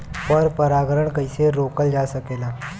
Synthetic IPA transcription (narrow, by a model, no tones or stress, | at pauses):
pɔɾpəɾaːɡɾəɳkɐiseɾoːkəld͡ʒaːsɐkeːnaː